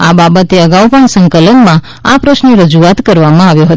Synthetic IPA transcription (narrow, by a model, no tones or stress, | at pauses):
ababət̪eəɡaupəɳsə̃ŋkələnmã | apɾəʃniɾəd͡ʒuat̪kəɾʋamãaʋjoɦət̪